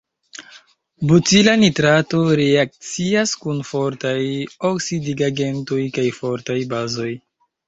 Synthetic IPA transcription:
butilanitɾato̞ɾeak̚t͡siaskunfo̞ɾtajoksidiɡaɡe̞nto̞jkajfo̞ɾtajbazo̞j

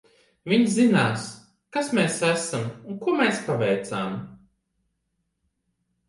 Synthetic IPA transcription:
viɲzzinaːs | kasmeːsæsamuŋkuɔmeːspavɛjt̪saːm

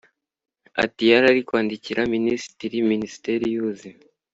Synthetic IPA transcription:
a̰tijaɾaɾikwaːndiciɾaministɾiminisi̥teɾijuzi

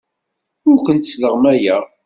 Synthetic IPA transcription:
ʊɾkʷənt̪ə̥sləʁmæjæ

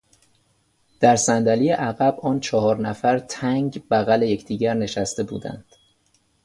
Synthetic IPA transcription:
d̪̥æɾsænd̪ælijeʔæɣæbɒːnt͡ʃʰɒhɒːɾnæfæɾt̪ʰæŋɟbæɣæleje̞cʰd̪̥iːɟæɾne̞ʃæst̪e̞bṵːd̪æ̰nd̪̥

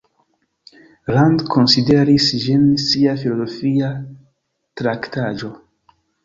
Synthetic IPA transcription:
ɾandkʰo̞nside̞ɾisd͡ʒinsiafilo̞zo̞fia | tɾaktad͡ʒo̞

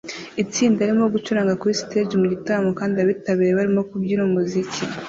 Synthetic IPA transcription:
it͡siːndaɾimo̞ɡut͡ʃuɾaːŋɡakuisteːd͡ʒmuɟitamɡokaːndiaβitaβiːɾeβaɾimo̞kubɟiɾumuzicʰi

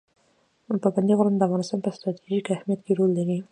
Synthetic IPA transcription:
paband̪iɣʊɾand̪əafɣɑnɪst̪ɑnpəst̪ɾɑt̪ʰiʒikahmijat̪keɾolːaɾi

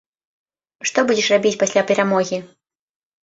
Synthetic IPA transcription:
ʂt̪ɔbud͡zʲɛʂrabʲit͡sʲpasʲlʲapʲɛɾamɔɣʲi

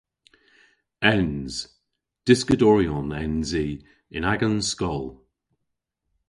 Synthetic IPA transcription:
ɛnz̥ | d̥ɪskədɔɹiɔnɛnzi | ɪnaɡənskɔlˠ

